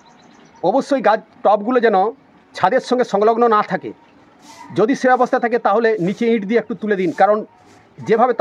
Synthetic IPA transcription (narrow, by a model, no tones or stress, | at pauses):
ɔboʃːojɡad͡ʑʈɔp̚ɡulod͡ʑɛno | t͡ɕʰad̪eɾʃːɔŋɡeʃɔŋloɡnonat̪ʰakḛ | d͡ʑod̪iʃebɛbost̪ʰat̪ʰaket̪aɦolenit͡ɕeĩʈd̪ieek̚ʈut̪uled̪inkaɾon | d͡ʑebʱabet̪